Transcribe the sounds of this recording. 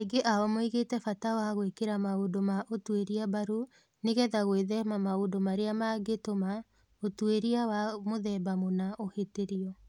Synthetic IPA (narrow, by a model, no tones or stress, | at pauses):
eɡeʔaɔmoiɣetɛfatawaɣwekeɾamaodomaʔotweɾiabaɾu | neɣɛðaɣweðɛmamaodomaɾeamaɡetoma | otweɾiawamoðɛːbamonaʔoheteɾiɔ